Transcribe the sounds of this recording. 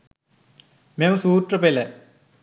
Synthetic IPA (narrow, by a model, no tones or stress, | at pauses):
memsuːʈrɐpelɐ